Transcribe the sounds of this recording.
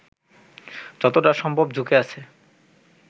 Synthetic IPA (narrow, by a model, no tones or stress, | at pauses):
d͡ʑɔt̪oʈaʃɔmbʱobd͡ʑʱukeat͡ɕʰe